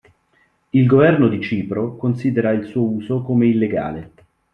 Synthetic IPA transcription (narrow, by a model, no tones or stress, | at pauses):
ilɡovɛrnod̪it͡ʃiːpɾokonsiːd̪eɾailsuːouːzokomeilːeɡa̰ːle